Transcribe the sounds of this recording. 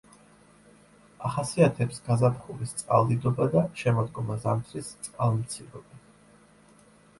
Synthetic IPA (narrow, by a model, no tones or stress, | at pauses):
aχasiat̪ʰɛpsɡazapʰχulist̪sʼqʼa̰lˠd̪id̪ɔbad̪aʃɛmɔd̪ɡɔmazamt̪ʰɾist̪sʼqʼalˠmt̪sʰiɾɔbi